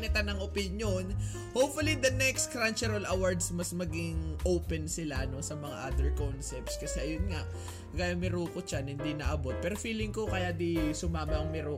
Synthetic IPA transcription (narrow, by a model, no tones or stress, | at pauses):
nɪt̪anɐŋʔopɪnjon | howpfʊlid̪ɐnɛkskɾant͡ʃɛɾɐlʔawaɹd̪smɐsmɐɡɪŋʔowpɛnsɪlaʔɐno̞sɐmɐŋa̰ʔad̪ɛɹkonsɛp̚t̪skɐsɛʔɐjʊnŋaʔ | ɡaːjɐŋmɪɾuːkot͡ʃanhɪnd̪inɐʔɐbo̞t̪̚pɛːɾofiːlɪŋkokɐjad̪isʊmaːmɐʔɐŋmɪɾuː